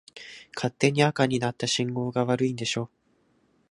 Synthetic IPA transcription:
kʰat̪ːe̞ɲ̟iakaɲ̟inat̪ːaɕĩŋɡo̞ːɡaβaɾɯ̟ĩnd̪e̞ɕo̞ː

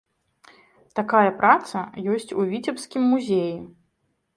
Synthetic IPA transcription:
t̪akajɐpɾʔat̪sɐjɔsʲt͡sʲuvʲit͡sʲɛpskʲimːuzʲeji

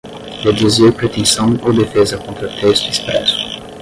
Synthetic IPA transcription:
led̪ezjepɾet̪ɛ̃sɑ̃õd̪efɛzakɔ̃t̪ɾət̪ʰɛst̪d̪ispɾɛsu̥

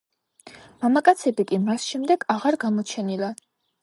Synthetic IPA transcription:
mamakʼat̪sʰɛbikʼimasʃɛmd̪ɛɡ̥aʁaɾɡamɔt͡ʃʰɛnilˠa

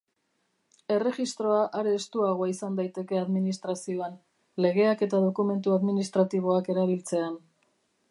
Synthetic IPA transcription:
e̞re̞ɣist̪ɾo̞aʔaɾe̞ːst̪uaɣo̞aisand̪ajt̪e̞ke̞aðminist̪ɾasio̞an | le̞ɣe̞ake̞t̪aðo̞kume̞nt̪̬uaðminist̪ɾat̪iβ̞o̞ake̞ɾaβ̞ilt͡se̞an

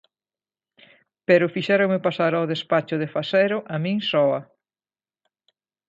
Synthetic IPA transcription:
pɛɾʊfiʃɛɾoŋmɪpasaɾawðespat͡ʃʊðefasɛɾʊʔamĩŋsɔɐ

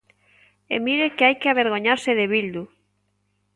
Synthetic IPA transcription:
ḛmiɾekeajkeaβeɾɣ̞oɲaɾseðeβild̪u

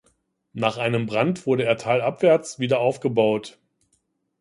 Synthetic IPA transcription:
naːχʔaɪnəmbʁantv̥ʊɐɾəeːɐtʰaːlʔapv̥ɛɐt͡sv̥iːdɐaʊfɡ̥əbaʊt

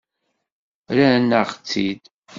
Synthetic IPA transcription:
ɾænːəʁt͡sːid̪

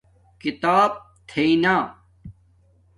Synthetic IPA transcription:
kit̪aːb̚ | t̪ʰeinaː

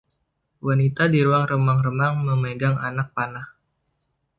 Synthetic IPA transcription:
wanit̪adiɾuaŋrəmaŋrəmaŋməməɡaŋanak̚panah

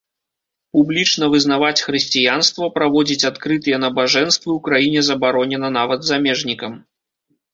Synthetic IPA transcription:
publʲit͡ʂnɐvɨzn̪avat͡sʲxɾɨsʲt͡sʲijanst̪vɐpɾavɔd͡zʲit͡sʲat̪kɾɨt̪ɨjɛnɐbaʐɛnst̪vɨwkɾajinʲɛzɐbaɾɔnʲɛnɐnavɐd̪zamʲɛʐnʲikɐm

